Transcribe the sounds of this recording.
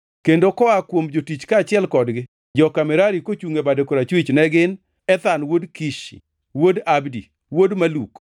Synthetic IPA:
kendokɔakwomd͡ʒotit͡ʃkaːt͡ʃɪɛlkɔdɡɪ | d͡ʒɔkamɛɾaɾikot͡ʃuŋebadekoɾat͡ʃwit͡ʃnɛɡɪn | ɛt̪anwodkiʃḭ | wodabdḭ | wodmaluk

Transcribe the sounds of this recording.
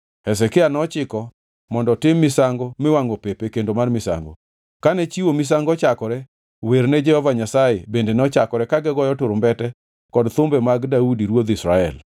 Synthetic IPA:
hɛs̬ɛkɛanɔt͡ʃɪkɔ | mɔndɔtɪmːɪsaŋɡɔmɛwaŋɡopepekendomarmɪsa̰ŋɡɔ̰ | kanɛt͡ʃiwomɪs̬aŋɡɔt͡ʃakɔɾɛ | weɾnɛd͡ʒɛhɔvaɲasajebendenɔt͡ʃakɔɾɛkaɡɛɡɔjɔtʊɾmbɛtɛ | kɔdt̪ʊmbɛmaɡdaudiɾwod̪ɪsɾaɛ̰l

